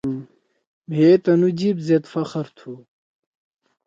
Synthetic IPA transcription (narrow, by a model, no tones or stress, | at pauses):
bʱeːt̪ɐnud͡ʑibzet̪fɐxɐɾt̪ʰu